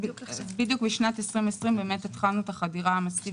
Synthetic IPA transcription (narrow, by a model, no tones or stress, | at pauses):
bid̪jukbiʃnat̪esʁimesʁimbemet̪et̪χalnut̪aχadiʁaamaski